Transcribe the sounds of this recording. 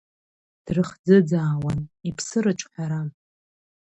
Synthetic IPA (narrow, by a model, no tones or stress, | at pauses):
d̥rɨχd͡zɨd͡zaːwanipʰsɨɾɨt͡ʃʼħʲʷᶣaɾa